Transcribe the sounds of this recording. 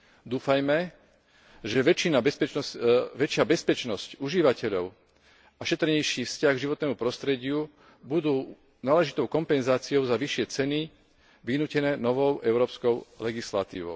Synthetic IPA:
d̪uːfajmɛ | ʒɛʋɛina | ʋɛt͡ʃɪabɛspɛt͡ʃnɔscuʒiʋacɛʎɔʊ | aʃɛt̪ɾɲɛjʃiːfscaɣɡʒiʋɔt̪̚nɛːmupɾɔst̪ɾɛɟɪu | bud̪uː | naːlɛʒit̪ɔʊkɔmpɛnzaːt͡siɔʊzaʋiʃɪɛt͡sɛni | ʋinuːcɛnɛːnɔʋɔʊʔɛʊɾɔːpskɔʊlɛɡisla̰t̪ḭːʋɔ̰ʊ

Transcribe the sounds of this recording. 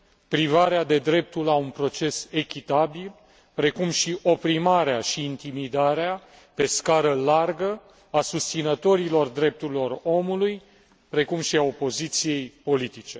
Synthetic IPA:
pɾivaɾead̪e̞d̪ɾe̞p̚t̪ulaunpɾo̞t͡ʃe̞se̞kʲit̪abil | pɾe̞kumʃiʔo̞pɾimaɾeaʃiːnt̪imid̪aɾea | pe̞skaɾəlarɡə | asust̪sinət̪o̞ɾilo̞rd̪ɾe̞p̚t̪uɾilo̞ro̞muluj | pɾe̞kumʃiao̞po̞zit̪sije̞jpo̞lit̪it͡ʃe̞

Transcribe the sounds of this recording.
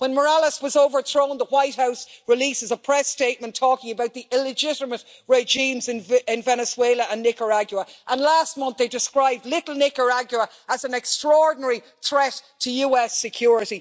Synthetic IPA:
wə̃nmə˞aləswɒzoʊvə˞θɹõʊ̃nðəwaɪt̚haʊsɹɪlisɪzəpʰɹ̥ɛsteɪt̚mə̃ntʰɔːkɪ̃ŋəbaʊt̪̚ðiʔɪlɪd͡ʒɪɾəmət | ɹeʒĩmzɪ̃nɪ̃nvɛnəsweɪləʔə̃nːɪkəɹaɡjuəʔə̃nlast̚mʌ̃nθðeɪdɪskɹaɪb̚dlɪɾl̩ˠnɪkəɹaɡjuə | əzə̃nɛkstɹ̥ɔɹdⁿn̩əɹi | θɹɛtʰəjuːɛsɪkʰj̥ʊɹɪɾi

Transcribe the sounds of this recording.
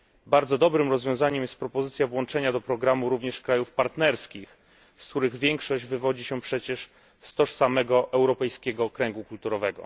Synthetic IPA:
baɾd̪zɔd̪ɔbɾɘmɾɔzvʲjɔ̃w̃zaɲɛmjɛst̪̚pɾɔpɔzɘt̪sʲjavwɔnt͡ʂɛɲad̪ɔpɾɔɡɾamuɾuvɲɛʂkɾajufpaɾt̪nɛɾskʲix | skt̪uɾɘɣvʲjɛŋkʂɔʑd͡ʑvɘvɔd͡ʑiɕɛpʂɛt͡ɕɛʂ | st̪ɔʂsamɛɡɔʔɛwɾɔpɛjskʲɛɡɔkɾɛŋɡukult̪uɾɔvɛɡɔ̰

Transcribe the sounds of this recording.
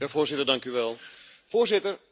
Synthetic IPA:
afoːrzɪtədɑŋkyʋɛlˠ | foːrzɪtər

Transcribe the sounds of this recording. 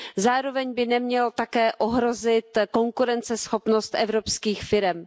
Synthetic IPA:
zaːɾo̞vɛɲbɪnɛmɲɛlt̪akɛːʔoɦɾo̞zɪt̪ko̞ŋkuɾɛnt͡sɛsxo̞pno̞st̪ʔɛvɾo̞pskiːxfɪɾɛm

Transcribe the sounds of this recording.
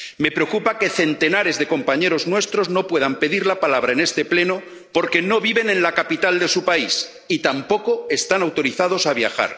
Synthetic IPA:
me̞pɾe̞okupake̞θe̞nt̪e̞naɾe̞zðe̞ko̞mpaɲe̞ɾo̞znwe̞st̪ɾo̞zno̞pwe̞ðampe̞ðiɾlapalaβ̞ɾaene̞st̪e̞ple̞no | po̞ɾke̞no̞βiβe̞nẽ̞nlakapit̪ald̪e̞supais | it̪ampo̞ko̞e̞st̪anawt̪o̞ɾiθað̞o̞saβ̞ja̰xa̰ɾ

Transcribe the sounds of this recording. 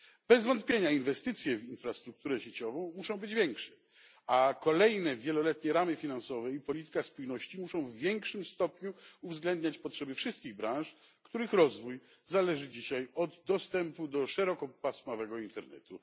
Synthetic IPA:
b̥ɛzvɔnt̪̚pʲjeɲainvɛst̪ɘt̪sʲjɛvinfɾast̪ɾuk̚t̪uɾɛɕet͡ɕɔvɔ̃w̃muʂɔ̃w̃bɘd͡ʑvʲjɛŋkʂɛ̥ | akɔlɛjnɛvʲjɛlɔlɛt̪ɲɛɾamɘfʲinansɔvɛipɔlʲit̪ɘ̥kaspujnɔɕt͡ɕimuʂɔ̃w̃vːʲjɛŋkʂɘmst̪ɔpɲuuvzɡlɛnd̪ɲat͡ɕpɔtʂɛbɘfʂɘst̪kʲiɣbɾãʂ | kt̪uɾɘxɾɔzvuj | zalɛʐɘd͡ʑiɕajɔd̪d̪ɔst̪ɛmpud̪ɔʂɛɾɔkɔpasmavɛɡɔint̪ɛɾnɛ̰t̪u

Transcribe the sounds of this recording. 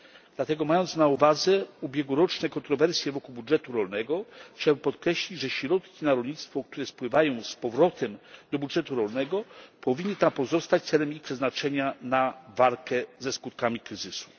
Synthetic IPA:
d̥̪lat̪ɛɡɔmajɔnt̪snauvad̪zɛubʲjɛɡwuɾɔt͡ʂnɛkɔnt̪ɾɔvɛɾsʲjɛvɔkuwbudʐɛt̪uɾɔlnɛɡɔxt͡ɕawɘpɔt̪kɾɛɕlʲid͡ʑʐɛɕɾɔt̪kʲinaɾɔlɲit̪st̪fɔkt̪uɾɛspwɘvajɔ̃w̃spɔvɾɔt̪ʰɛmd̪̥ɔbudʐɛt̪uɾɔlnɛɡɔpɔvʲinːɘt̪apɔzɔst̪at͡ɕt̪sɛlɛmixpʂɛznat͡ʂɛɲanavalkɛzɛskut̪̚kamʲikɾɘzɘsu̥

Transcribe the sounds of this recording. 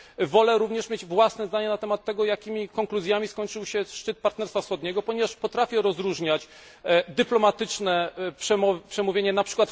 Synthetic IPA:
vɔlɛɾuvɲɛʂmʲed͡ʑvwasnɛzd̪aɲɛnat̪ɛmat̪ːɛɡɔjakʲimʲikɔŋkluzʲjamʲiskɔɲʲt͡ʂɘwɕɛʂt͡ʂɘt̪̚paɾt̪nɛɾst̪fafsxɔd̪ɲɛɡɔpɔɲɛvaʂpɔt̪ɾafʲjɛɾɔzɾuʐɲat͡ɕ | d̪ɘplɔmat̪ɘt͡ʂnɛpʂɛmɔpʂɛmuvʲeɲɛnapʂɘ̥kwat̪

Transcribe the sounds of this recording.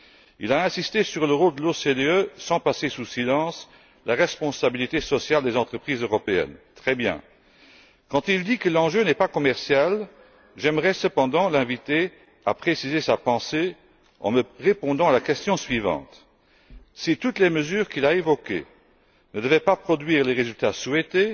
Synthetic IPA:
ḭlaɛ̃sist̪esyʁləʁold̪əlosed̪eøsɑ̃pasesusilɑ̃s | laʁɛspɔ̃sabilit̪esɔsjald̪ezɑ̃t̪χəpχizøʁɔpeɛ̰nt̪χɛbjɛ̰̃ | kɑ̃t̪ild̪ikəlɑ̃ʒønɛpakɔmɛʁsjal | ʒɛmʁɛsəpɑ̃d̪ɑ̃lɛ̃vit̪e | a̰pχesizesapɑ̃se | ɑ̰̃məʁepɔ̃d̪ɑ̃alakɛst̪jɔ̃sɥivɑ̰̃ːt̪ | sit̪ut̪lɛməzyːʁkilaevɔkḛ | nəd̪əvɛpapχɔd̪ɥiːʁleʁezylt̪aswɛt̪e

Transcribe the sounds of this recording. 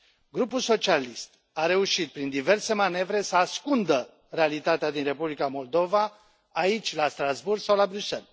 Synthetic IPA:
ɡɾupulso̞t͡ʃialist̪ | aɾe̞uʃit̪̚pɾind̪ive̞rse̞mane̞vɾe̞səaskund̪ə | re̞alit̪at̪ead̪inre̞publikamo̞ld̪o̞vaː | it͡ʃʲlast̪ɾazburɡsawlabɾyse̞̰l

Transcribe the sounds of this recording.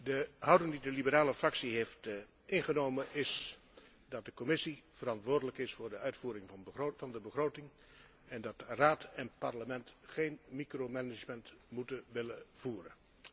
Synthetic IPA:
dəɦʌwdɪŋdidəlibəɾaːləfrɑksiɦeft | ɪnχənowmənɪs | dɑt̚dəkɔmɪsiv̥ərɑntʋʊːɹdələkɪsfʊːɹdəœɥtfuːɾɪŋvɑndəbəχrowtɪŋ | ɛndɑtraːtʰɛnpɑɹləmɛntχejnmikromɛnɪd͡ʒməntmutənʋɪləv̥uːɾə̰n

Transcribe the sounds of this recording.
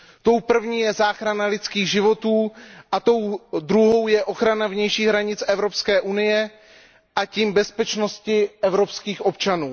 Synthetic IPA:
t̪o̞wpr̩vɲiːjɛzaːxɾanalɪt͡skiːɣʒɪvo̞t̪uːʔat̪o̞wdɾuɦo̞wjɛʔo̞xɾanavɲɛjʃiːɣɦɾaɲɪt͡sʔɛvɾo̞pskɛːʔunɪjɛ | ʔaciːmbɛspɛt͡ʃno̞scɪʔɛvɾo̞pskiːxʔo̞pt͡ʃanuː

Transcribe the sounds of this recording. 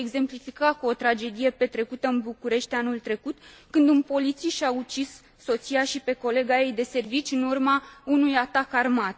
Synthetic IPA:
eɡze̞mplifikakuo̞t̪ɾad͡ʒe̞d̪ije̞pe̞t̪ɾe̞kut̪əɨnbukuɾe̞ʃt̪anult̪ɾe̞kut̪kɨnd̪unpo̞lit̪siʃaut͡ʃisː | o̞t̪sijaʃipe̞ko̞le̞ɡaje̞jd̪e̞se̞rvit͡ʃʲɨnurmaunujat̪akarmat̪

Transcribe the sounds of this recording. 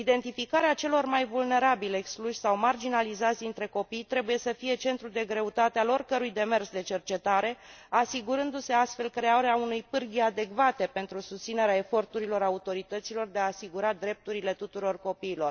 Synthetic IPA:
id̪e̞nt̪ifikaɾeat͡ʃe̞lo̞rmajvulne̞ɾabile̞kskluʃʲsawmard͡ʒinalizat̪sʲd̪int̪ɾe̞ko̞pijt̪ɾe̞buje̞səfije̞t͡ʃe̞nt̪ɾud̪e̞ɡɾe̞ut̪at̪ealo̞rkəɾujd̪e̞mersd̪e̞t͡ʃe̞rt͡ʃe̞t̪aɾe̞asiɡuɾɨnd̪use̞ast̪fe̞lkɾe̞aɾeaunujpɨrɡʲiad̪e̞kvat̪e̞pe̞nt̪ɾusust̪sine̞ɾeae̞fo̞rt̪uɾilo̞ɾaut̪o̞ɾit̪ət̪silo̞rd̪e̞aːsiɡuɾad̪ɾe̞p̚t̪uɾile̞t̪ut̪uɾo̞rko̞piːlo̞r

